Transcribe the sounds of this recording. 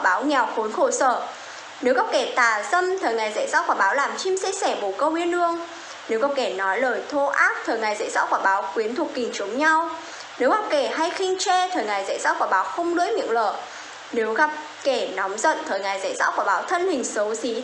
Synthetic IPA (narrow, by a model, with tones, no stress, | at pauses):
a˧˩ɓaː˨˦wŋɛ˨˩wxo˨˦nxo˧˩səː˧˩ | ne˨˦wɣa˨˩p̚kɛ˧˩t̪aː˨˩zə˧mt̪ʰəː˨˩jŋa˨˩jza̰˧˩jzɔ̰ː˧˥kwaː˧˩ɓaː˨˦wlaː˨˩mt͡ɕi˧msɛ˧sɛ˧˩ɓo˧˩kə˧wwi˧ənʔɨ˧əŋ | ne˨˦wɣa˨˩p̚kɛ˧˩nɔ˨˦jləː˨˩jt̪ʰo˧ʔaː˦˥k̚t̪ʰəː˨˩jŋa˨˩jza̰˧˥zɔ̰ː˧˥kwaː˧˩ɓaː˨˦wkwi˨˦ənt̪ʰu˨˩k̚kï˨˩ŋ̟t͡ɕə˨˦wŋ͡mɲa˧w | ne˨˦wɣa˨˩p̚kɛ˧˩ɦa˧jxï˧ŋ̟t͡ɕɛ˧t̪ʰəː˨˩jŋa˨˩jza̰˧˥˨jzɔ̰ː˧˥kaː˧˩ɓaː˨˦wxə˧wŋ͡mɗɨ̰˧˥əj̚ɲɨ̰˧˥ŋləː˧˩ | ne˨˦wɣa˨˩p̚ | kɛ˧˩nɔ˨˦wŋ͡mzə̰˧˨nt̪ʰəː˨˩jŋa˨˩jza̰˧˩jzɔ̰˧˥kaː˧˩ɓaː˨˦wt̪ʰə˧nhï˨˩ŋ̟sə˨˦wsi˨˦